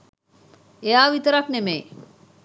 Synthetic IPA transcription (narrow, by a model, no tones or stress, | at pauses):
ejaːʋit̪əɾaknemej